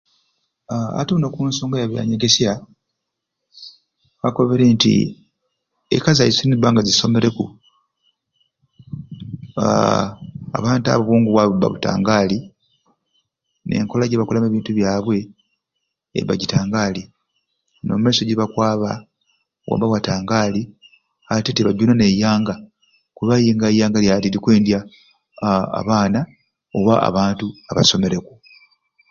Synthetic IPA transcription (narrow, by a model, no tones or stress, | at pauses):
a̰tunokuːnso̞ːŋɡajaβja̰ɲeɡesja | kako̞βe̞ɾeːntḭ | ḛkazajisinibaːŋɡaziso̞me̞ɾe̞ku | a | a̰βaːnta̰βuβuːŋɡuβwaβuba̰βuta̰ːŋɡaːli | ne̞̰ŋkolaɟeβakulameβiːntuβjaːβwe̞ | βa̰ɟitaːŋɡaːli | no̞̰mumeːso̞ɟiβakwaːβa | wʔa̰baβwataːŋɡaːli | ateteβaɟunone̞jaːŋɡa | kuβajiːŋɡajaːŋɡaljalilikweːndja | βaːna | oβaa̰βaːntuaβa̰so̞me̞ɾe̞ku